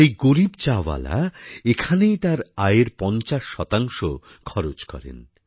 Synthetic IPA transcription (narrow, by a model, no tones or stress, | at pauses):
ejɡoɾibt͡ɕawa̰la̰ekʰanejt̪aɾaeɾpɔnt͡ɕaʃːɔt̪aŋʃo | kʰɔɾod͡ʑkɔ̰ɾḛn